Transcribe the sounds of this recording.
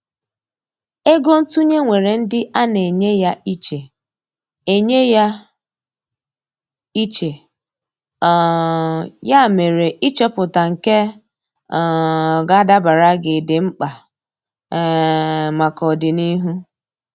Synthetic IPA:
e˦ɡo˦n̩˦tu˦ɲe˦ŋʷe˨ɾe˨n̩˦dɪ˦ʔa˦ne˨ɲe˦ja˦i˦t͡ʃe˨ | e˨ɲe˦ja˦ | i˦t͡ʃe˨ | ja˦˨me˨ɾe˨ʔi˦t͡ʃe˦pʊ˨ta˨ŋ̩˨ke˦˨ | ɡa˦da˦ba˨ɾa˦ɡɪ˨dɪ˨ŋ͡m̩˦k͡pa˨ | ma˨kɔ˨dɪ˨ni˦ɦu˦

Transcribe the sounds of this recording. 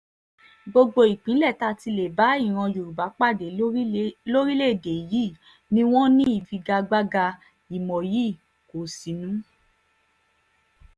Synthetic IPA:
ɡ͡bo˧ɡ͡bo˧i˨k͡pĩ˨˦lɛ˦˨ta˧˦ti˧le˨ba˨˦i˦˨ɾ̃ã˧jo˨ɾu˨ba˨˦k͡pa˦˨de˨˦ | lo˦ɾi˦le˦˨de˨ji˦˨ | nĩ˦w̃ɔ̃˦nĩ˦i˦˨fi˧ɡa˧ɡ͡ba˦ɡa˧ | i˨mɔ̃˨ji˦˨ | ko˨si˨nũ˨˦

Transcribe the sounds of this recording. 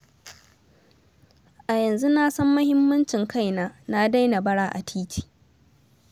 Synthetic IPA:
ʔa˨jɐ˨nzu˦naː˦sɐ˦mːɐ˦hɪ˦mːɐ˦nt͡ʃɪ˨ŋka˦˨jnaː˦na˦da˦jna˨bɐ˦ɽaː˦ʔa˨tʰiː˦t͡ʃi̥ː˨

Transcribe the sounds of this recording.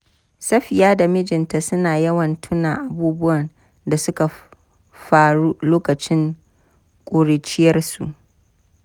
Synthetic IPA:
sɐ˦ɸɪ˨jaː˦da˨mɪ˦d͡ʒɪ˨nta˨sʊ˦naː˨jɐ˦wɐ˨ntʰʊ˦naː˨ʔa˨buː˦bʊ˦wɐ˨n | da˨sʊ˦ka˨ | ɸaː˦˨ɽuː˦loː˦kɐ˨t͡ʃɪ˦ŋ | kʷʼoː˨ɽeː˨t͡ʃɪ˦jɐ˦rsṵ˨ʔ

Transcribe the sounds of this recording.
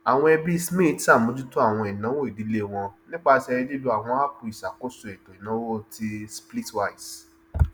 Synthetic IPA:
a˨w̃ɔ̃˧˦ɛ˧bi˦sme˦˨˦tsa˦˨mõ˨˦d͡ʒũ˦tu˦a˦˨w̃ɔ̃˧ɛ˨nã˨˦wo˦i˨di˨˦le˦w̃ɔ̃˧nĩ˦k͡pa˦˧sɛ˧ɾi˧li˦lu˧a˦˨w̃ɔ̃˧a˦pu˧i˨sa˨ko˦su˨˧˨ɛ˨tɔ̃˨i˨nã˨˦wo˦˨ti˦spli˦twa˦˨i˨s

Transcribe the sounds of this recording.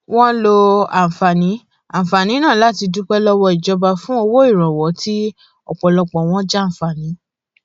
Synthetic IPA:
w̃ɔ̃˦lo˧a˨fa˨nĩ˨˦ | ã˨fa˨nĩ˨˦nã˦˨la˦ti˧du˦k͡pɛ˦lɔ˦wɔ˧i˨d͡ʒɔ˧ba˧fũ˦o˧wo˦i˦˨ɾ̃ɔ̃˨wɔ˨˦ti˦ | ɔ̰˨k͡pɔ˨lɔ˧k͡pɔ̃˨w̃ɔ̃˦d͡ʒa˦˨ñ̩˨fa˨nĩ˨˦

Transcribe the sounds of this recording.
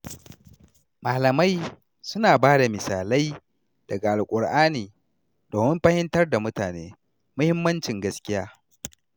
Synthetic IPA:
maː˨lɐ˨ma˦j | sʊ˦naː˨baː˦da˨mɪ˨saː˨la˦j | d̥ɐ˨ɡa˨ʔa˨lkʷʼʊ˨rʔaː˦niː˨ | doː˨mɪ˦mɸɐ˦hɪ˦ntɐ˦rda˨mʊ˦taː˨nḛː˦ | mʊ˦hɪ˦mːɐ˦nt͡ʃɪ˨ŋɡɐ˦skʲɪ˦jaː˦

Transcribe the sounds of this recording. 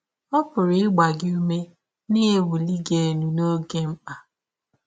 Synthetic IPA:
ɔ˦pʊ˨ɾɪ˦ɪ˦ɡ͡ba˨ɡɪ˦u˦me˦ | nɪ˦e˦wu˨li˦ɡe˨nu˨no˦ɡe˦m̩˦k͡pa˨

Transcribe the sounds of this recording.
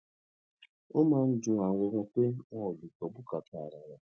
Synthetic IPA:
ʊ˦ma˦n̩˦d͡ʒʊ˦ŋa˨ɡ͡bo˨ŋʷo˨k͡pe˦ŋɔ˦˨lu˨kɔ˨bʊ˦ka˨ta˨ɾa˨ɾa˨

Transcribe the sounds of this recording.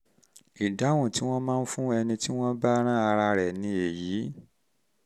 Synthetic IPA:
i˨da˨˦wũ˦˨ti˨˦w̃ɔ̃˦mãː˦˧n̩˦fũ˦ɛ˧nĩ˧ti˦w̃ɔ̃˦ba˦ɾ̃ã˦a˧ɾa˧ɾɛ˨nĩ˧e˨ji˨˦

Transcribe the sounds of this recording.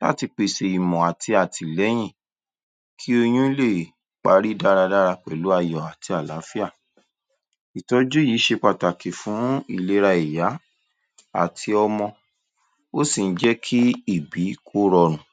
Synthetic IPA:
la̰˦˨ti˧k͡pe˧˨se˨i˨mɔ̃˨a˨ti˧a˨ti˨lɛ˨˦j̃ĩ˦˨ | kʰi˦o˧j̃ũ˦i˦le˦˨ | k͡pa˧˦ɾi˦da˦ɾa˧da˦ɾa˧k͡pɛ˨lu˨˦a˧jɔ˨a˨ti˧a˨la˨˦fi˦a˦˨ | i˨tɔ˧˦d͡ʒu˦jiː˨˦ʃe˧k͡pa˨ta˨ki˨fũ˨˦i˦˨le˨˦ɾa˧i˨ja˨˦ | a̰˨tʰi˧ɔ˧mɔ̃˧ | o˦sĩ˦˨n̩˦d͡ʒɛ˦kʰi˦i˦˨bi˨˦kʰo˦ɾɔ˧ɾ̃ũ˨

